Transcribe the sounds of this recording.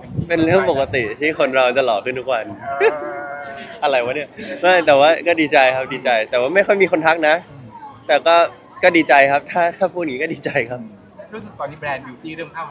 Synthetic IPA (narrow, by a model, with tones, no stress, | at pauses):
pe˧nɾɯ˥˩əŋpo˨˩ka˧t̪i˨˩t̪ʰiː˥˩kʰo˧nɾa˧wt͡ɕa˨˩lɔː˨˩kʰɯ˥˩nt̪ʰu˦˥k̚wa˧n | ʔa˧ɾa˧jwa˦˥nːi˥˩əma˥˩jt̪ɛː˨˩waː˥˩kɔː˥˩diː˧t͡ɕa˧jkʰa˦˥p̚diː˧t͡ɕa˧jt̪ɛː˨˩waː˥˩ma˥˩jxɔ˥˩jmiː˧xʰo˧nt̪ʰa˦˥k̚na˦˥ʔt̪ɛː˨˩kɔː˥˩ | kɔː˥˩diː˧t͡ɕa˧jkʰa˦˥p̚t̪ʰaː˥˩t̪ʰaː˥˩pʰuː˥˩t̪̚ŋiː˦˥kɔː˥˩diː˧t͡ɕa˧jkʰa˦˥p̚ | ɾuː˦˥sɯ˨˩k̚t̪ɔː˧niː˧˩bɾɛː˧njuː˧˩t̪ʰiː˥˩ɾɯː˥˩˨ŋk̪ʰa˥˩